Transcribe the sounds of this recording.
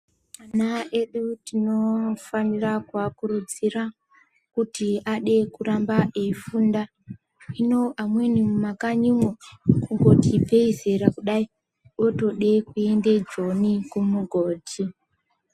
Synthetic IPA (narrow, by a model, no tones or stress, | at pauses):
manaʔe̞ɗutino̞fanirakwakurud͡zira | kutiaɗe̞kurambaʔeifunda | ino̞ʔamwe̞nimumakaɲimwokuŋɡo̞tipe̞ize̞ɾakuɗai | o̞to̞ɗe̞kue̞nde̞d͡ʒo̞nikumuɡʱo̞ːtʰi